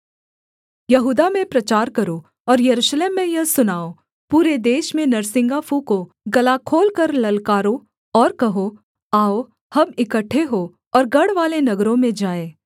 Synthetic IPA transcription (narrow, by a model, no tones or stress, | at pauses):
jɐɦuːd̪amẽpɾɐt͡ʃaːɾkɐɾo | ɔːɾjɐɾuːʃleːmːẽjɐɦsʊnaːo | puːɾed̪eːʃmẽnɐɾsɪ̃ŋɡaːpʰuko | ɡɐlakʰoːlkɐɾlɐlkaːɾo | ɔːɾkɐɦo | aːo | hɐbɪkəʈʰːeɦoː | ɔːɾɡɐɽʋaːlenɐɡɾõmẽd͡ʒaːeː